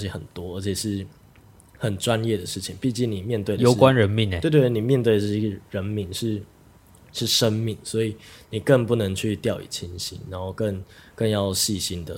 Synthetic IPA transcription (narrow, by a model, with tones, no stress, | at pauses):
ɻi˥˩xə˨˩nt̪wɔ˥ə˧˥t͡ɕʰjɛ˨˩ʂɻ̩˥˩ | xə˨˩nʈ͡ʂwa˦njɛ˥˩d̪ə˩ʂɻ̩˥˩t͡ɕʰi˨˦ŋpi˥˧t͡ɕi˥˩ŋni˨˩mjɛ˥˧nt̪we˥˩ɪjo˧˨˦ʊ˥kwa˦nɻə˧˦nmi˥˩n˨˦we˥˧˩t̪ni˨˩mjɛ˥˧nt̪we˥˩ə˩ʂɡə˨˩ɻə˧˦˥nmi˧ŋʂɻ̩˥˩ | ʂɻ̩˥˩ʂə˦˥nmi˥˨˩ŋswɔ˧˥i˨˩ni˨˩kə˥˧ŋpu˥˩nə˧˥ŋt͡ɕʰy˥˧t̪jɑ˥˩ʊḭ˨˩t͡ɕʰi˥nɕḭ˥nɻa˧˦nxo˥˧ʊkə˥˧ŋkə˥˧ŋjɑ˥˧ʊɕi˥˨ɕi˥nd̪ə˨